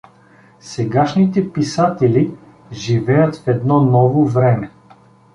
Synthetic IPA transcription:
sɛɡaʃnit̪ɛpisat̪ɛli | ʒivɛjət̪fɛd̪nɔnɔvovɾɛmɛ

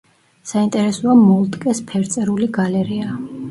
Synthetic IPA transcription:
saint̪ʼɛɾɛsɔamɔlˠt̪ʼkʼɛspʰɛɾt̪sʼɛɾuliɡalɛɾia

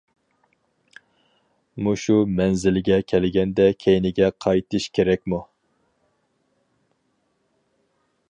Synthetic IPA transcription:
muʃumɛnzɪlɡʲɛkʲʰɛlɪɡʲɛnd̪ɛkʲʰejnɪɡʲɛqʰɑjt̪ʰɨʃkʲʰeɾɛk̚ʲmu

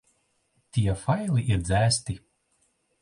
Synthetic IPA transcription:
t̪ʲiɛfajlˠiʔiɾd̪zʲæːst̪i

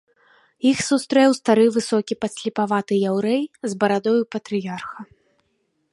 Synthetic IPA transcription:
ixsust̪ɾɛwst̪aɾɨvɨsɔkʲipɐsʲlʲipavat̪ɨjawɾɛjzbɐɾad̪ɔjupɐt̪ɾɨjarxɐ

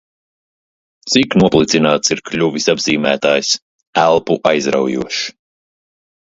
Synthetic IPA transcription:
t̪siknuɔplˠit̪sinaːt̪siɾklʲuvisabziːmæːt̪aːjs | ælˠpuʔajzɾa̰wjṵɔʃi̥

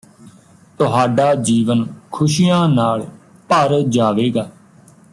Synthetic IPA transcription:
t̪ʊɦaːɖaːd͡ʒiːʋənkʰʊʃijãːnaːɭ | pəɾd͡ʒaːʋeːɡaː

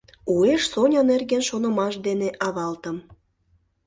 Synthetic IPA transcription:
ueʃsonʲənerɣenʃonəmɑʃd̪eneʔɑβɑlt̪əm

